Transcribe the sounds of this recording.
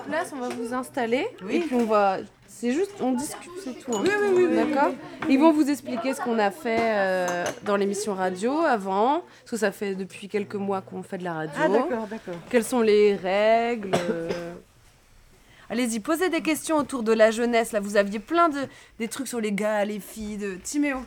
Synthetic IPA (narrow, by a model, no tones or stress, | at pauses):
plasɔ̃vavuzɛ̃st̪alewepɥiɔ̃va | sɛʒyst̪ɔ̃d̪iskʲy̥t̪sɛt̪ʰuɛ̃wiwid̪akɔːʁivɔ̃vuzɛksplikʲesə̥kɔ̃nafɛød̪ɑ̃lemisjɔ̃ʁad̪joavɑ̃ | skəs̬afɛd̪əpɥikʲɛlkəmwakɔ̃fɛd̪əlaʁad̪joɔʁd̪akɔkʲɛlsɔ̃leʁɛɡlø | alezipozed̪ek̬ʲɛst̪jɔ̃ot̪uʁd̪əlaʒənɛslavuzavjeplɛ̃d̪əd̪et̪χyksyʁleɡalefijd̪ət̪imeõ